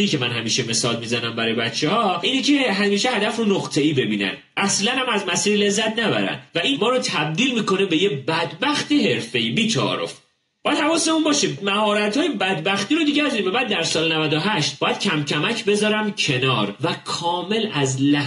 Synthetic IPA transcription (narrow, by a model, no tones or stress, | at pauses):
iːcʰemænhæmiːʃeme̞sɒːlmiːzænæmbæɾɒːjbæt̪t͡ʃʰːehɒːiːnece̞ɦæmiːʃehæd̪æfɾonoɣt̪ʰe̞iːbe̞biːnæ̰n | ʔæslænhæmæzmæsiːɾle̞zːæt̪ʰnæbæ̰ɾæ̰nd̪væiːnmɒːɾot̪ʰæb̚d̪iːlmiːko̞nebe̞jebæd̪bæxt̪ihe̞ɾfe̞iːbiːt͡ʃʰɒ̰ɾo̞̰f | b̥ɒːjæd̪hævɒːsemunbɒːʃemæhɒːɾæt̪hɒːjebæd̪bæxt̪iːɾod̪iɟebezɒɾiːmbæbæːd̪ːæɾsɒːlenævæd̪oɦæʃt̪̚bɒːjæd̪̥cʰæmcʰæmæcʰbe̞zɒːɾæmcʰe̞nɒːɾvækʰɒːme̞læzlæ